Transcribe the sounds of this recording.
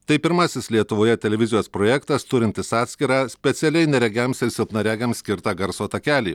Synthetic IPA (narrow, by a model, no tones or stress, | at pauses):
t̪ɐɪpʲɪɾmɑsʲɪslʲiɛt̪ʊʋoːjɛt̪ʲɛlʲɛʋʲɪzʲɪjoːspɾoːjɛkt̪ɐst̪ʊɾʲɪnʲt̪ʲɪsɑːt̪sʲkʲiɾɑːsʲpʲɛt̪sʲɛlʲɛɪnʲɛɾʲɛɡʲæmsɪɾsʲɪlˠpnɐɾʲæːɡʲɛmsʲkʲɪɾt̪ɑːɡɐɾsoːt̪ɐkʲæːlʲiː